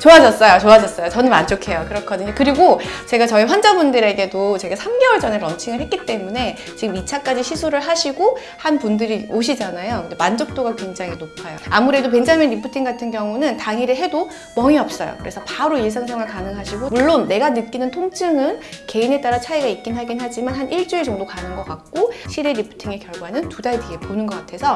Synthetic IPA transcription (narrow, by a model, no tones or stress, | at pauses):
t͡ɕoad͡ʑʌs͈ʌjot͡ɕoad͡ʑʌs͈ʌjot͡ɕʌnɯnma̰nd͡ʑʰokʰe̞jokɯɾʌkʰʌdɯɲokɯɾiɡot͡ɕe̞ɡat͡ɕʌiɸwand͡ʑabundɯɾe̞ɡe̞dot͡ɕe̞ɡasʰamɡe̞wʌɭd͡ʑʌneɾʌnt͡ɕʰiŋɯɭhet̚k͈it͈e̞mune̞ | t͡ɕiɡɯmit͡ɕʰak͈ad͡ʑiɕʰisʰuɾɯɭɦaɕʰiɡo | hanpundɯɾioɕʰid͡ʑanajokɯndemand͡ʑok̚t͈oɡakwe̞ŋd͡ʑaŋɦinopʰajoamuɾe̞dop̬wend͡ʑʰaamjʌnɾipʰutʰiŋɡatʰɯnɡjʌŋunɯntaŋiɾɯɭɦe̞do | mʌŋiʌp̚s͈ʌ̰jo̰kɯɾe̞sʰʌpaɾoiɭs̬ʰaŋsʰaŋɯɭkanɯŋɦaɕʰiɡomuɭːonːe̞ɡanɯt̚k͈inɯntʰoŋt͡ɕʰɯŋɯnke̞ine̞t͈aɾat͡ɕʰaiɡaik̚k͈inɦaɡinɦad͡ʑimanɦanʔiɭt͡ɕ͈ued͡ʑʌŋdokanɯnɡʌk͈ak̚k͈oɕʰideɾipʰu̥tʰiŋekjʌɭɡwanɯntudaideɡeponɯnɡʌk͈atʰe̞sʰʌ